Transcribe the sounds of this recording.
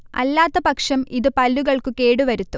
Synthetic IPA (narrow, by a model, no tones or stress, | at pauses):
ɐ̰lːaːt̪ːɐpɐkʂɐmiðɨpɐlːuɣɐɭkuke̞ːɽuʋɐɾut̪ːu